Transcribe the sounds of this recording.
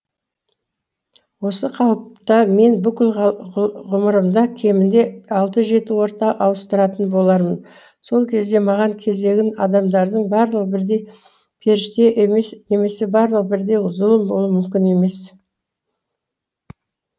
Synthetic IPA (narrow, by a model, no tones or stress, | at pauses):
wo̞səqʰɑlˠəp̚t̪ɑme̞nbʏkʲɪl | ʁʊməɾəmd̪ɑkʲʰe̞mɪnd̪e̞ɑlˠt̪əʒe̞t̪ɪwo̞ɾt̪ɑʔɑwəst̪əɾɑt̪ənbo̞lˠɑɾmən | so̞lˠkʲʰe̞zd̪e̞mɑʁɑŋkʲʰe̞ze̞ɡʲɪnɑd̪ɑmd̪ɑɾd̪əɴbɑɾlˠəqbɪɾd̪e̞j | pʲʰe̞ɾɪʃt̪e̞ʔmsne̞me̞se̞bɑɾlˠəqbɪɾd̪e̞jʊzəlˠəmbolˠuəmʏmkʲɪne̞me̞s